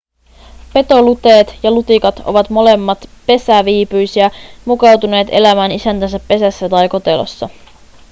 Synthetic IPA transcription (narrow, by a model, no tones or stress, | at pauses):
pe̞t̪o̞lut̪e̞ːt̪jɑlut̪ikɑt̪o̞̰ʋɑt̪mo̞le̞mːɑt̪pe̞sæʋiːpyjsiæmukɑwt̪une̞ːt̪e̞̰læmæːnisænt̪ænsæpːe̞sæsːæt̪ɑjko̞t̪e̞lo̰sːɑ